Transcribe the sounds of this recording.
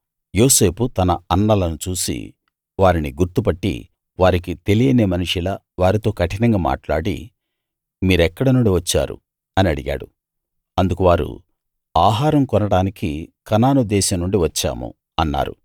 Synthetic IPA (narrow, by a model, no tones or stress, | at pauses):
jo̞ːse̞ːput̪ɐnɐɐnːɐlɐnut͡ʃuːsḭ | ʋaːɾiniɡuɾt̪upɐʈːḭ | ʋaːɾik̬it̪e̞lijɐneːmɐnuʂilɐ | ʋaːɾit̪o̞ːkɐʈinɐŋɡaːma̰ːʈlaːɽḭ | miːɾɛkːɐɽɐnuɳɖiʋɐt͡ʃːa̰ːɾṵ | ɐniɐɽiɡa̰ːɽu | ɐnd̪ukuʋaːɾṵ | aːɦaːɾɐmkɔnɐɽaːnikikɐnaːnud̪ɛːʃɐmnuɳɖiʋɐt͡ʃːa̰ːmṵ | ɐnːa̰ːɾṵ